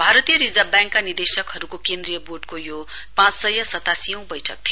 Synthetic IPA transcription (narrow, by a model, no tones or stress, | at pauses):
bʱaɾʌt̪ijʌɾid͡zʌbjãŋkːanird̪esʌkɦʌɾukokend̪ɾijʌborɖkojo | pãt͡ssʌjʌsʌt̪asijʌ̃w̃bʌjʈʰʌk̚t̪ʰijo